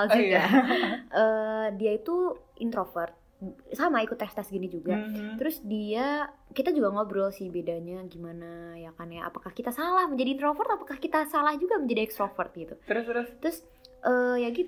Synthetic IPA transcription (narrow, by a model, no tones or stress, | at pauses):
ald͡ʒuɡa | ədiait̪uḭnt̪ɾofərt̪̚ | samaikʊt̪ːɛst̪asɡinid͡ʒuɡat̪əɾʊsdiakit̪ad͡ʒuɡaŋobɾɔlsihbedaɲaɡimanajakanjaʔa̰pakahkit̪asalahməɲd͡ʒadiːnt̪ɾofərt̪apakahkit̪asalahd͡ʒuɡaməɲd͡ʒadiɛkst̪ɾofərt̪̚ɡit̪ut̪t̪əɾʊs | ʔəjaɡit̪